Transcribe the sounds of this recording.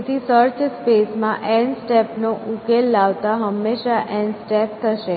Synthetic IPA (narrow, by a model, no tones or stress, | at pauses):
t̪isəɾt͡ʃspesmãʔɛnsʈepnoʔukelːaʋt̪aɦəmːeʃaʔɛ̃nɖsʈep̚t̪ʰəʃe